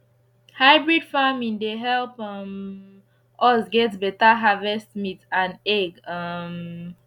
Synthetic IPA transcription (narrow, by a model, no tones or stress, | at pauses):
haɪbɹidfamĩŋdeɦɛlˠpɔm | ʔɔsɡɛtbɛtaɦavɛstmitãnɛɡʌm